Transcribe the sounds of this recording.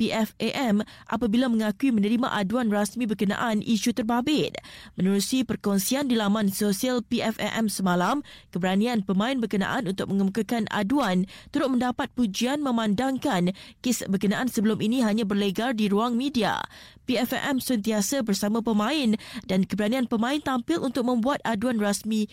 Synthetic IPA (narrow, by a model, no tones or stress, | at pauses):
piʔɛfeʔɛmʔa̰pabilamə̃ŋakuimə̃nəɾimã̰ʔaduanrasmĩbərkənã̰ʔanʔiʃut̪ərbabɪt̪̚mə̃nəɾusipərkɔnsiandilamãnsosialpiɛfɛ̰ʔɛmsəmalamkəbəɾanĩanpəmãɪnbərkəna̰ʔanunt̪ʊk̚mə̃ŋəmukakana̰duant̪əɾʊt̪̚mə̃ndapat̪̚pud͡ʒianmə̃mãndaŋkankɪsbərkənãʔansəbəlʊminĩɦaɲãbərləɡardiɾuaŋmĩdia̰piɛfɛ̰ʔɛmsənt̪iasabərsamãpəmãɪndankəbəɾanĩanpəmãɪnt̪ampɪlʔunt̪ʊk̚mə̃mbuat̪̚aduanrasmĩ